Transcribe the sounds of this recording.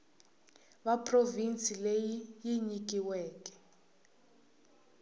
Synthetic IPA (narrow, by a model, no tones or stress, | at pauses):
βapʰʼrovint͡sʼilejijiɲik̬ʼiwɛːkɛ̥